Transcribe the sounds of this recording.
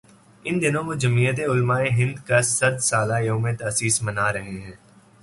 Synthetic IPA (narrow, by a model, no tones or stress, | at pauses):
ɪnd̪ɪnõmõd͡ʒɐmiːət̪̬eʊlmaːeɦɪ̃nd̪kassɐd̪saːlajoːmẽt̪ɐːsiːsmɐnaːɾɐɦeɦɛ̃ː